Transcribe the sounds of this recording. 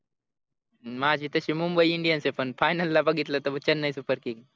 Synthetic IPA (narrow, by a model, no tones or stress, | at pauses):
mad͡ʑʱiːt̪əɕiːmumbəiiɳɖijənsepəɳfajnəlːabəɡʱit̪lət̪əbət͡ɕənːəjsufəɾkiŋ